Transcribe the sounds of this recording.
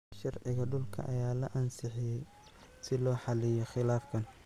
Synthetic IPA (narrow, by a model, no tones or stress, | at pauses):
ʃɑrʕɪɣɐɖʊlkʰɐ̰ʔɐ̰jaːlɐʔɐnsɪħɪjɛ | sɪlɔːħɑlɪjɔχɪlaːfkʰɐn